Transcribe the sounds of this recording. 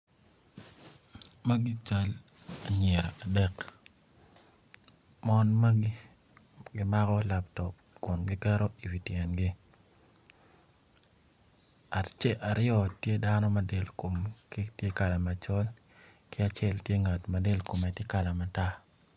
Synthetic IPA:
ma˦ɡi˦t͡ʃa˦la˨ɲɛ˨ɾa˨a˨dɛ˦k | mɔ˦nma˦ɡi˦ | ɡɪ˦ma˦kɔ˦la˨p̚tɔ˨ | kʊ˨nɡɪ˦kɛ˦ɾɔ˦i˨wi˨tjɛ˨nɡi˦ | a˨tt͡ʃɛ˦ʔa˨ɾɪ˦ɔ˦tje˦da˦nɔ˦ma˨de˨lko˨mki˦tje˦ka˨la˨ma˨t͡ʃɔ˦l | kɪ˦a˨t͡ʃɛ˦ltje˦ŋa˨tma˨de˦lko˨mɛ˨tje˦ka˨la˨ma˨ta˦

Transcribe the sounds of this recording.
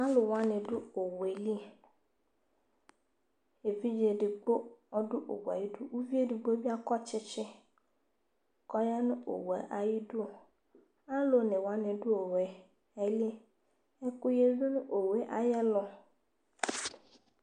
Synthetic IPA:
a˦lo˨wa˦nɪ̃˨ɖʊ˦o˨we˨li˦ | e˨vi˦d͡ʒe˨ɖɪ˨ɡ͡bo˦ɔ˦ɖʊ˦ʔo̰˨wa̰˨ji˦ɖu˦wu˦vi˦e˦dɪ˨ɡ͡bo˦bi˦a˦kɔ˦t͡ʃɪ˦t͡ʃɪ˦ | kɔ˦ja˦nʊ̃˦ʔo̰˨wḛ˨ʔa˨ji˦du˦o˨ | a˦lo˦nẽ˨wa˦nɪ̃˨ɖʊ˦o˨we˨ | e˦le˦ | e˦ku˦je˦vi˦nʊ̃˦ʔo˨we˨˦ʔa˨jɛ˦lɔ˨

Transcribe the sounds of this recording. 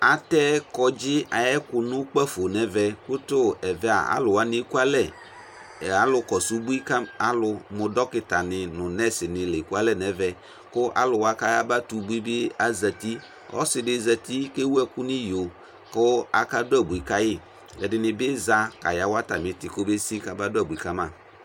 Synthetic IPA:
a˨tɛ˦kɔ˦d͡ʒɪ˦a˨jɛ˦kʊ˨nʊ̃˦k͡pa˦fo˨nɛ˨vɛ˨kʊ˦tʊ˦ɛ˨vɛ˦a̰˨a̰˨˦lʊ˨wa˦nɪ̃˦ku˦a˦lɛ˦˨ | a˨lʊ˦kɔ˨su˦bu˦i˦ka˦a˦lʊ˧mʊ˨dɔ˦kɪ˨ta˨nɪ˨nʊ̃˨nɛ˦sɪ˨nɪ˨le˨ku˦a˦lɛ˦˨nɛ˨vɛ˨ | kʊ˦ʔa̰˦lʊ˨wa˦ka˦ja˦ba˦tu˨˦bu˦i˦bɪ˦a˨za˨ti˦ | ɔ̰˦sɪ˨dɪ˦za˨ti˦ke˦wu˦ɛ˦kʊ˦nɪ˦jo˨ | kʊ˦a˦ka˦dʊ˦a˦˨bu˨i˨ka˦jɪ˦ | lɛ˨dɪ˨nɪ˨bɪ˦za˦ka˨ja˨˦wa˦ta˨mɪ̃˨˦tɪ˨ko˦be˦si˦ka˨ba˦dʊ˦a˦˨bu˨i˨ka˦mã˦˨

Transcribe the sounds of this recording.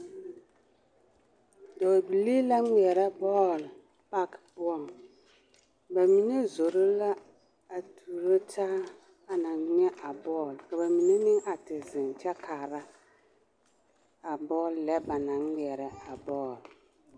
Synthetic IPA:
dɔ˨bi˨liː˦la˦ŋi˨ɛ˨ɾɛ˦bɔː˦˨l | pa˦kpʊ˦ɔ˦˨ŋ | ba˨mi˨ne˦zo˨ɾo˦la˦ | a˨tʰu˨ɾo˦tʰaː˦ | a˨na˨ŋ˦ɲ˦ɛ˦ʔa˨bɔː˦˨lka˨ba˨mi˨ne˦nɪ˦ŋa˨tɪ˨zɪ˨nt͡ʃɛ˦kʰaː˨ɾa˦ | a˨bɔː˦˨lːlɛ˦ba˨na˨ŋi˨ɛ˨ɾɛ˨a˨bɔː˦˨l

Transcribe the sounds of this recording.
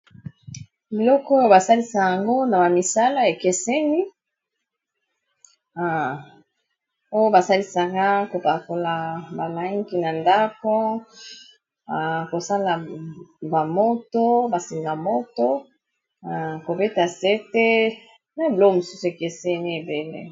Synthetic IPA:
bi˨lɔ˦kɔ˦jo˨ba˨sa˦li˦sa˨ja˨ŋɡo˦na˨ba˨mi˨sa˦la˦e˨ke˨se˦ni˦ | a˨ | o˦jo˦ba˨sa˦li˦sa˨ka˦ko˨pa˨ko˨la˨ba˨la˦ŋɡi˦na˨nda˦ko˦˨ | ko˨sa˦la˨ba˨mo˦to˦ba˨si˨ŋɡa˨mo˦to˦˨ | ko˨be˦ta˨se˦te˦ | na˨˦˨blo˦˨mu˨su˦su˨e˨ke˨se˦ni˦e˨be˨lḛ˦

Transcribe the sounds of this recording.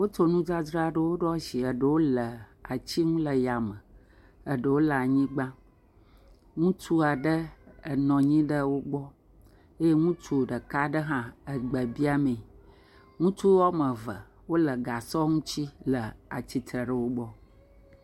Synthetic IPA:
wo˦t̪o˦nũ˦d͡ʒa˦d͡ʒɾa˦ɖə˨wo˦ɖɔ˦ʃi˨ə˨ɖə˨wo˦lə˨a˨t͡ɕi˦ŋũ˦lə˨ja˨mə̃˨ | ə˨ɖə˨wo˦lə˨a˨ɲĩ˦ɡ͡bã˦ | ŋũ˦t͡ʃu˦a˨ɖə˦ə˨nɔ̃˨ɲĩ˦ɖə˦wo˦ɡ͡bɔ˦ | e˦je˦ŋũ˦t͡ʃu˦˨ɖə˨ka˦ɖə˦ɦã˦ə˨ɡ͡bə˨bi˦a˦mẽ˨ | ŋũ˦t͡ʃu˦ɔ˦mə˨və̰˨ | wo˦lə˨ɡa˨sɔ˦ŋũ˦t͡ɕi˦lə˨a̰˨t͡ɕi˦t̪ɾə˨ɖə˨wo˦ɡ͡bɔ˦

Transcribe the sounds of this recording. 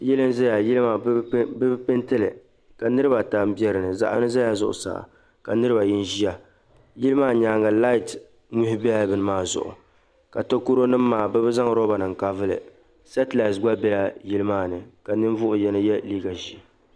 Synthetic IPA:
jɛ˦lɨ˦n˦za˦ja˨ji˦lɨ˦ma˨˦bɨ˦bpɨ˦ntɨ˦lɨ˨ | ka˨nɨ˦ɾɨ˦ba˨ta˨m˦bi˦ɛ˦ɾɨ˨nɨ˨za̰˨ʔa̰˦nɨ˦za˦ja˨zʊ̰˦˨ʔʊ̰˨sa̰˨ʔ | ka˨nɨ˦ɾɨ˦ba˨ji˦n˦ʒi˦ja˨ | ji˦lɨ˦maː˦ɲaː˨˦ŋa˨la˦ɪ˨t | mu˦hɪ˦bbɨ˨nɨ˦maː˦˨zʊ̰˨ʔʊ̰˨ | ka˨to˦ku˦ɾo˦nɨ˦mː˦aː˨bɛ˦bɨ˦za˦ŋ˦ɾɔ˦ba˨nɨ˨ŋ̩˨ka˨vɨ˦lɨ̰˨ | sɛ˦tla˨sɡ͡ba˦bɛ˦la˦ji˦lɨ˦maː˦˨nɨ˨ka˨nɨ˦n˦vʊ˦ʔʊ˨jɛ˨˦nɨ˦jɛ˦liː˦ɡa˨ʒi˨

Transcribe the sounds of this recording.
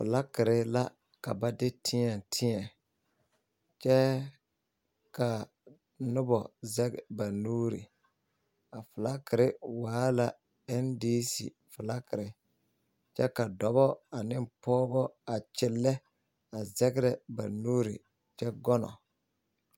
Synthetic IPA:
fʊ̰˨la˦kɪ˨ɾɪ˨la˦ | ka˨ba˦dɪ˦tʰɪ˦ɲɛ˨ntʰɪ˦ɛ˨ | t͡ʃɛ˦ | ka˨ | nʊ˦bɔ˨zɛ˦ɡba˨nuː˦ɾḭ˨ | a˨fʊ˨la˦kɪ˨ɾɪ˦waː˦la˨ | ɛ˦ndiː˦sḭ˨ | fʊ˨la˦kɪ˨ɾɪ˨ | t͡ʃɛ˦ka˨dɔ˨bɔ˦a˨nɪ˦mpɔː˦bɔ˦a˨t͡ʃɪ˦lːɛ˦ | a˨zɛ˦ɡɾɛ˨ba̰˨nuː˦ɾḭ˨ | t͡ʃɛ˦ɡɔ˦nɔ̰˨

